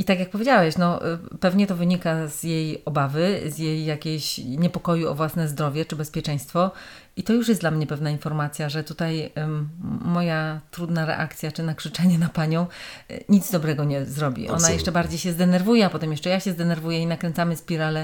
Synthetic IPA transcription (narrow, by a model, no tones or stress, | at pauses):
it̪akjak̚pɔvʲjed͡ʑawɛɕnɔpɛvɲɛt̪ɔvɘɲikazjejɔbavɘzjejːakʲeɕɲɛpɔkɔjuɔ̰vwasnɛzd̪ɾɔvʲjɛt͡ʂɘbɛspʲjɛt͡ʂɛ̃j̃st̪fɔ | it̪ɔjuʂ̬jɛsdlamɲɛpɛvnainfɔɾmat̪sʲjaʐɛt̪ut̪aj | mɔjat̪ɾud̪naɾɛ̰ʔakt̪sʲjat͡ʂɘnakʂɘt͡ʂɛɲɛnapaɲɔ̃w̃ɲid̪zd̪ɔbɾɛɡɔɲɛzɾɔbʲḭʔɔ̰najɛʂt͡ʂɛbaɾd͡ʑejɕɛzd̪ɛnɛɾvujɛapɔt̪ɛmjɛʂt͡ʂɛjaɕɛzd̪ɛnɛɾvujɛinakɾɛnt̪samɘspʲiɾalɛ